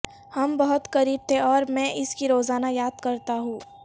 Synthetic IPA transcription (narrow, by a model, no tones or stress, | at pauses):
hɐmbɐɦʊt̪xɐɾiːb̚t̪ʰeɔːɾmɛ̃ːʔɪskiɾoːzaːnajaːd̪kɐɾt̪aɦũː